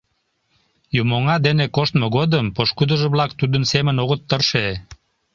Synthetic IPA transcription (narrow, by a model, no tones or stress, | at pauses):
jumoŋɑd̪enekoʃt̪moɣod̪əmpoʃkud̪əʒəβlɑkt̪ud̪ənsemənoɣət̪ːərʃe